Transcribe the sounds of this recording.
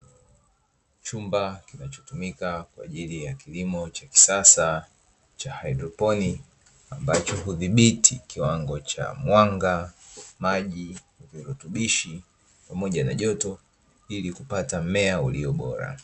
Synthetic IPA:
t͡ʃumbakinat͡ʃɔtumikakwa̰ːʄilijakilimɔt͡ʃaki̥sasa | t͡ʃahajdɾɔpɔni | ambat͡ʃɔɦuðiɓitʰikiwaŋɡɔt͡ʃa̰mwaŋɡamaʄi | viɾutuɓiʃi | pamɔʄana̰ʄɔtɔ | ilikupatamɛauliɔɓɔɾa̰

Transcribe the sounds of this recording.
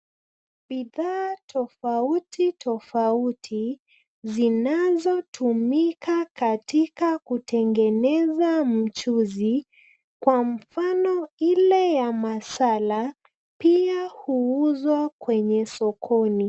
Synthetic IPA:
ɓiðaːtʰɔfautʰitʰɔfautʰi | zinazɔtʰumikakatikakutɛŋɡɛnɛzam̩t͡ʃuzi | kwam̩fanɔilɛjamasala | piahuuzwakwɛɲɛsɔkʰɔni

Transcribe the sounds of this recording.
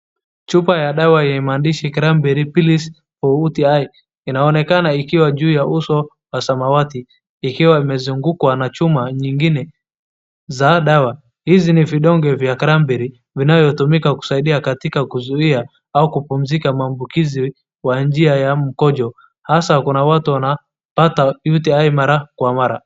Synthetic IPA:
t͡ʃupajaɗawaɛmandiʃikɾambɛɾipilis | ɔutiaj | inaɔnɛkanaikiwaʄuːjausɔ | wasamawatiː | kiwaimɛzuŋɡukwanat͡ʃumaɲiŋɡinɛ | zaɗawa | hiziniviɗɔŋɡɛvjakaɾambiɾi | vinavjɔtumikaku̥saiɗiakatikakuzuia | aukupum̩zikamaːmbukizi | wand͡ʒiajam̩kɔd͡ʒɔ | hasakunawatuwana | patajutiaimaɾakwamaɾa

